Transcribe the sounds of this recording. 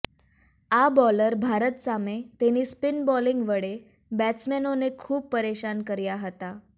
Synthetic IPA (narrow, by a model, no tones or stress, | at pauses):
abɔləɾbʱaɾət̪samet̪eniːspinbɔliŋɡʋəɽe | bæt͡smenonekʰuːppəɾeɕankəɾjaɦət̪a